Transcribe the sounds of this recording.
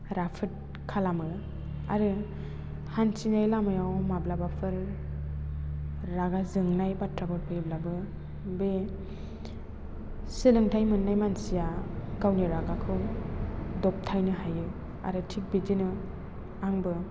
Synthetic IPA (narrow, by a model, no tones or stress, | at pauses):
ɾapʰɯt̚ | kʰalamɯ | a̰ɾɯ | hansinajlamɯjawmablabapʰɯɾ | aɡazɯŋnajbatɾaɡɔɾ̚pʰɯiblabɯ | be | sɯlɯŋtʰajmɯnːajmansijaɡawniɾaɡakʰɯw | dɔp̚tʰajnɯɦajɯ | a̰ɾɯtʰik̚bidinɯ | aŋbɯ